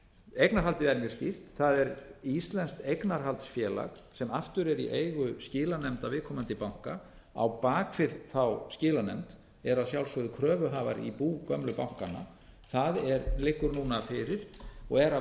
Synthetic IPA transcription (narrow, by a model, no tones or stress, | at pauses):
ejknaɾ̥ɦalt̪ɪðɛɾmjʏscɪr̥t̪θaðɛɾist̪lɛnst̪ejknaɾ̥ɦalt̪sfjɛːla̰ɣ | sɛmaft̪ʏɾɛɾḭʔejɣʏscɪːlanɛmt̪awvɪðkʰɔːmant̪ɪpawŋ̥ka | a̰wpaːkfɪðθawscɪːlanɛmt̪ | ɛɾaðsjawlsʏðʏkʰɾœːvʏɦaːvaɾḭpuːkœmlʏpawŋ̥kana̰ | θaðɛɾlɪhkːʏɾnuːnafɪːɾɪɾ̥ɔɣɛɾa